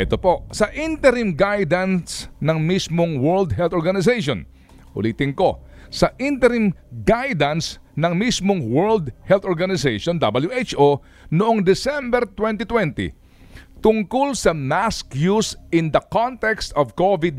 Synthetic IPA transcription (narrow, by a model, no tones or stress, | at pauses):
ʔɛt̪opo̞ʔsɐʔint̪ɛɾɪmɡajd̪ɐnsnɐŋmismoŋwɛɹld̪ɦɛlt̪oɹɡɐnɪs̬ejʃo̰n | ʔʊ̰liːt̪ɪŋko̞ | sɐʔint̪ɛɾɪmɡajd̪ɐns | nɐŋmismoŋwɛɹld̪hɛlt̪oɹɡɐnɪsejʃond̪ɐbɐljuʔejt͡ʃʔo | nʊʔoŋd̪ɪsɛmbɛɾt̪wɛnt̪ɪt̪wɛnt̪ɪ̰ | t̪ʊŋkʊlsɐmaskjusʔɪ̃nd̪ɐkont̪ɛkst̪ɔvkovɪd̪̚